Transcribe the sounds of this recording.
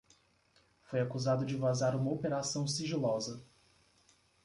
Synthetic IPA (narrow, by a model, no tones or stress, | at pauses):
fojakuzad̪ʊd͡ʒɪvazaɾũmɐopeɾasɐ̃w̃siʒilɔzɐ